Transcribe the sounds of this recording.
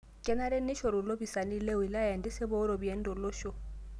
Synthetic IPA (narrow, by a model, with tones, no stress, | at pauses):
kʼɛ˦na˦ɾɛ˦nɪ˦ʃɔ˨ɾʊ˨lo˦bi˨sa˨ni˦le˦wi˨la˦ja˨n˨dɪ˦sɪ˦bɔ˦ʊ˦ɾɔ˨bwɛ˨˦n̩˦dɔ˨lo˦ʃɔ˦